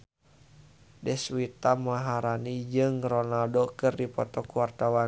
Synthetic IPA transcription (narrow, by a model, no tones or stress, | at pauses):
dɛswit̪amaɦaɾanid͡ʒɨŋrɔnaldokɨrdipɔ̰t̪ɔkuwart̪awa